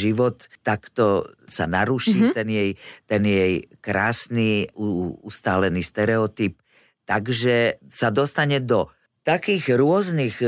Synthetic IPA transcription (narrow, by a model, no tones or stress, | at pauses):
ʒiʋɔt̪ːakt̪ɔsa̰naɾuʃiːt̪ɛnjɛjt̪ɛnjɛjkɾaːsniːuust̪aːlɛniːst̪ɛɾɛɔt̪ip | t̪aɡʒɛsad̪ɔst̪aɲɛd̪ɔ | t̪akiːɣɾʊɔznix